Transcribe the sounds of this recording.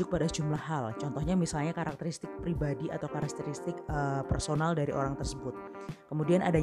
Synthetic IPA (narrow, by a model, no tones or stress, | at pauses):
ʊk̚padasə̥d͡ʒumlahːalt͡ʃɔnt̪ɔhɲamisalɲakaɾak̚t̪əɾist̪ɪk̚pɾibadiʔa̰t̪awkaɾak̚t̪əɾist̪ɪkəpɛrsonaldaɾiʔo̰ɾaŋt̪ərsəbʊt̪̚ | kəmudianʔa̰da